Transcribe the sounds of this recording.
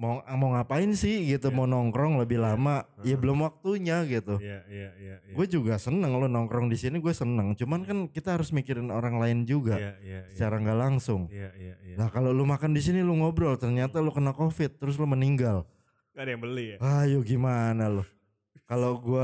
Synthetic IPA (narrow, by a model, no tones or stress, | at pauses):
maŋmaŋapaɪnsɪhɡit̪umonɔŋkɾɔŋləbɪhlamajabəlʊmwak̚t̪uɲaɡit̪u | ɡuɛd͡ʒuɡasənəŋlʊnɔŋkɾɔŋdisiniɡuɛsənəŋt͡ʃumankankit̪aɦaɾʊsmikɪɾɪnoɾaŋlaɪnd͡ʒuɡasə̥t͡ʃaɾaŋɡaʔlaŋsʊŋlahkalolumakandis̬iniluŋɔbɾɔlt̪ərɲat̪alukənakofɪt̪ːəɾʊs̬lʊməniŋɡal | djbəliajʊɡimanalʊ | kaloɡua